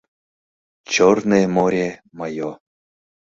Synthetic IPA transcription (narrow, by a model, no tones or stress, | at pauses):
t͡ɕornemoɾʲemajo